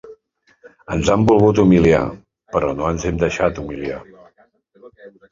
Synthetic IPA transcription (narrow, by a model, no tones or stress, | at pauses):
ənzambulˠɣut̪̬umilia̰ | pəɾɔnoənzɛmd̪əʃat̪umilia̰